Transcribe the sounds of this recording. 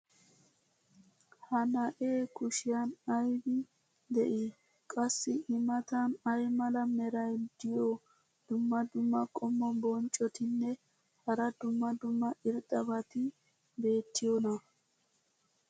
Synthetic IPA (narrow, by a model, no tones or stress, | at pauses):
hɐnɐʔeːkʊʃɪjanɐjbɪ | d̪ɛ̰ʔɪ | kʼɐsːɪʔɪmɐt̪ɐnɐjmɐlɐmɛɾɐjd̪ɪjo | d̪̥ʊmːɐd̪ʊmːɐkʼɔmːɔbɔnt͡ʃʼɔt̪ɪnːɛ | hɐɾɐd̪ʊmːɐd̪ʊmːɐʔɪɾt̪ʼɐbɐt̪ɪ | be̞ːt̪ːɪjonɐ